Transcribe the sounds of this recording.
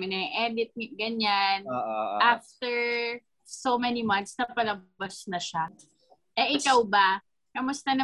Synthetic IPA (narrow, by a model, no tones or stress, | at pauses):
mɪnɐʔɛd̪ɪt̪̚ɡɐɲanʔaft̪ɛɹ | somɛnimɐnt̪snɐpɐlɐbasnɐʃa | ʔɛʔɪkawbɐ | kɐmʊst̪ɐnɐ